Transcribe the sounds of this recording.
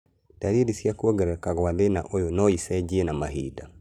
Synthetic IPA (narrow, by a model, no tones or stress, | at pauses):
d̥aɾidisiakuɔɡɛɾɛkaɣwaðena̰ʔojonɔisɛd͡ʒienamaɦḭda